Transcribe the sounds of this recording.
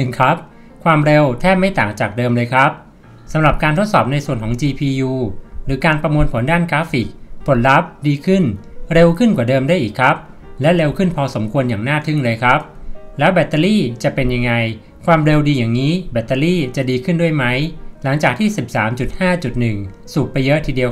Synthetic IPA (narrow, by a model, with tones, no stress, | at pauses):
nɯ˨˩ŋkʰɾa˦˥p̚ | kʰwaː˧mɾe˧wt̪ʰɛː˥˩p̚ma˥˩jt̪aː˨˩k̚t͡ɕaː˨˩k̚dɤː˧mlɤː˧jkʰɾa˦˥p̚ | sa˩˦mɾa˨˩p̚kaː˧nt̪ʰo˦˥t̪̚sɔː˨˩p̚na˧jsu˨˩ənkʰɔː˩˦ŋt͡ɕiː˧pʰiː˧juː˧ɾɯː˩˦˥kaː˧npɾa˧mu˧ənpʰo˩˦ndaː˥˩nkɾaː˦˥fi˨˩k̚pʰo˩˦nɾa˦˥p̚diː˧kʰɯ˥˩nɾe˧wkʰɯ˥˩nkwaː˨˩dɤː˧mdaː˥˩jʔiː˨˩kʰːɾa˦˥p̚ | lɛ˦˥ɾe˧wkʰɯ˥˩npʰɔː˧so˩˦mkʰu˧ənjaː˨˩ŋnaː˥˩t̪ʰɯ˥˩ŋlɤː˧jkʰɾa˦˥p̚lɛː˦˥wbɛ˨˩t̪ːa˧liː˥˩t͡ɕa˨˩pe˧nja˧ŋːa˧j | kʰwaː˧mɾe˧wdiː˧jaː˨˩ŋniː˦˥bɛ˨˩t̪ːa˧liː˥˩t͡ɕa˨˩diː˧kʰɯ˥˩ndu˥˩əjma˦˥jla˩˦ŋt͡ɕaː˨˩k̚t̪ʰiː˥˩si˨˩p̚saː˩˦mt͡ɕu˨˩t̪̚haː˥˩t͡ɕu˨˩t̪̚nɯ˨˩ŋsu˨˩t̪̚pa˧jɤ˦˥ʔt̪ʰiː˧˩di˧əw